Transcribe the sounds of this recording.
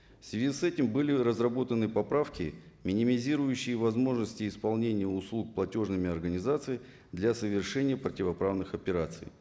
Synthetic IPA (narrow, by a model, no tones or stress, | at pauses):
fsvʲɪzʲisɛtʲɪmbɨlʲɪɾəzrɐbo̞t̪ənɨpɐpɾafkʲɪ | mʲɪnʲɪmʲɪzʲiɾʊjʉɕːɪjəvɐzmo̞ʐnəsʲtʲɪːspɐlˠnʲenʲɪjəʊslˠuk̚plˠɐtʲo̞ʐnɨmʲɪɐrɡənʲɪzat̪sɨj | d̪lʲasəvʲɪrʂɛnʲɪjəpɾətʲɪvɐpɾavnɨxɐpʲɪɾat̪sɨ̰j